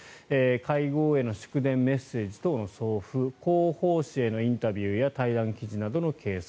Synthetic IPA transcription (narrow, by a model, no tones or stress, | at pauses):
ekʰaiɡo̞ːe̞no̞ɕo̥kɯ̟d̪ẽ̞mːe̞sːe̞ːʑi̥t̪o̞ːnoso̞ːɸɯ̟koːho̞ːɕie̞no̞ĩnt̪abʲjɯ̟ːjat̪aid̪ãŋkʲiʑinad̪o̞no̞kʰe̞ːs